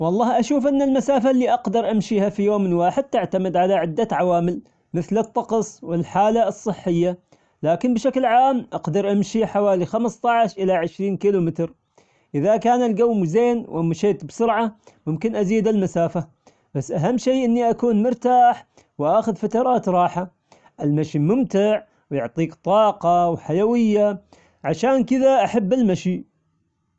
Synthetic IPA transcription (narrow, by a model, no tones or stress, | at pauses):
wɑlˤːɑːhʔaʃuːfʔɪnːalmasaːfalːiːʔɑqd̪ɑɾˤʔamʃiːhafijoːmɪnwaːħɪd̪̚t̪ɪʕt̪amɪd̪ʕalaʕɪd̪ːaʕawaːmɪl | mɪθlɨt̪ˤːɑqɑsˤwɪlħaːlaɨsˤːɨħːɪjːa | laːkɪnbɪʃaklʕaːmʔɑqd̪ɑɾˤʔamʃiħawaːlixamst̪ˤɑʕʃʔɪlaʕɪʃɾiːnkiːlumɪt̪ɾ | ʔɪðakaːnalɡawːmzeːnwʔamːaʃeːt̪bsʊɾʕamʊmkɪnʔaziːd̪almasaːfa | b̥asːʔaɦamːʃejːʔɪnːiʔakuːnmʊɾt̪aːħ | wʔaːxʊðfat̪ɑɾˤɑːt̪ɾˤɑːħa | ʔɪlmaʃimʊmt̪ɪʕ | wjʊʕt̪ˤiːkt̪ˤɑːqɑwħajawɪjːa | ʕaʃaːnkɪðaʔaħabːalmaʃi